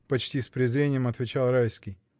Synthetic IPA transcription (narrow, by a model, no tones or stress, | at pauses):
pɐt͡ɕtʲispɾʲɪzɾʲenʲɪjəmɐt̪vʲɪt͡ɕalˠɾajskʲɪj